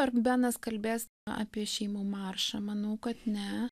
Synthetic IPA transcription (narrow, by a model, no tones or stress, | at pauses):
ɐrbʲæːnɐskɐlʲbʲeːs | ɑ̰ːpʲiɛʃʲɛɪmuːmɑːrʃɐmɐnɐʊkɐt̪nʲɛ